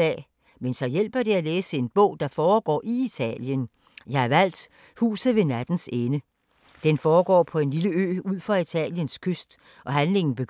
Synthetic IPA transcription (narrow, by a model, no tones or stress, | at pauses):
ɛ̰ | mensɒ̽jel̰b̥ɐɾ̥e̝æleːsəe̝nb̥ɔ̽ʊ̰d̥ɑ̈fɒːɡ̥ɒ̰ːʔiit͡sʰɛ̰ljən | jɑ̈ɪæɐʋæl̰d̥ | hṵːsð̩ˠʋe̝næd̥n̩senə | d̥enfɒːɡ̥ɒ̰ːpʰɒ̽e̝nliləø̰ːuð̰ˠfʁɑ̈it͡sʰɛ̰ːljənskʰøsd̥ | ʔɒ̽ɦænle̝ŋn̩b̥e̝̥